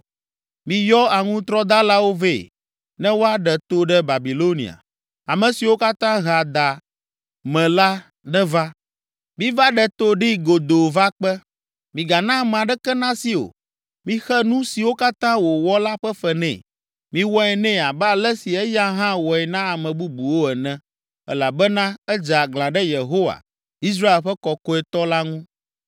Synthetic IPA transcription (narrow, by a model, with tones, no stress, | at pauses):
mĩ˨jɔ˦a˨ŋũ˦t̪ɾɔ˦d̪a˦la˦wo˦ve˦˨ | nɛ̃˦wo˦a˦ɖɛ˨t̪o˦ɖɛ˦ba˨bi˨lo˦nḭ˨a̰˨ | a˨mɛ̃˨si˨wo˦ka˦t̪ã˦ɦa˨d̪a˨ | mɛ̃˨la˦ | nɛ̃˦va˦ | mĩ˦va˦ɖɛ˨t̪o˦ɖi˦ɡo˨d̪o˨va˦k͡pɛ˦ | mĩ˨ɡa˨nã˦m˨a˨ɖɛ˦kɛ˦nã˦si˨o̰˨ | mĩ˦xɛ˦nũ˦si˨wo˦ka˦t̪ã˦wo˨wɔ˦la˦ɸɛ˦fɛ˨nɛ̰̃˨ | mĩ˦wɔ˦ɛ˨nɛ̃˦˨a˨bɛ˦a˨lɛ˦si˨ɛ˦ja˦ɦã˦wɔ˨ɛ˨nã˦a˨mɛ̃˨bu˦bu˨wo˦ɛ˨nɛ̃˨ | ɛ̰˦la˨bɛ˦nã˦ɛ˦d͡ʒa˨ɡlã˨ɖɛ˦je˨ɦo˦wa̰˨ | i˦s̬ɾa˦e˨lɸɛ˦kɔ˨ko˦ɛ˨t̪ɔ˦la˦ŋũ˦